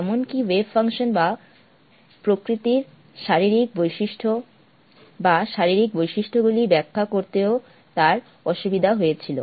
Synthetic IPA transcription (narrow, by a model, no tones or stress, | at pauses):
ɛmonkiwebfaŋʃonba | pɾokɾit̪iɾ | ʃaɾiɾik̚bojʃiʃʈʰo | baʃaɾiɾik̚bojʃiʃʈʰoɡulibɛkʰːakoɾt̪eo | t̪aɾ | ɔʃubid̪ʱaɦojet͡ɕʰilo̰